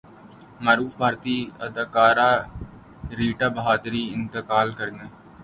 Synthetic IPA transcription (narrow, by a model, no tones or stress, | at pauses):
maːɾuːfbʱaːɾt̪iːəd̪akaːɾaː | ɾiːʈaːbəɦaːd̪ɾiːɪnt̪əkaːlkəɾneː